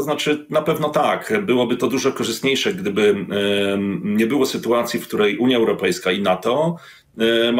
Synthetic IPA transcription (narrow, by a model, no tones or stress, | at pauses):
ɔznat͡ʂɘnapɛvn̪ɔt̪akbɘwɔbɘt̪ɔd̪uʐɔkɔʐɨst̪ɲejʂɛɡd̪ɘbɘ | ɲɛbɘwɔsɘt̪uat̪sʲjifkt̪uɾɛjʔuɲjaɛwɾɔpɛjskainat̪ɔ | m